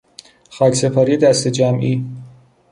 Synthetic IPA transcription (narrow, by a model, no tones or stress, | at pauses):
xɒːcʰse̞pʰɒːɾijed̪æst̪ed͡ʒæmʔiː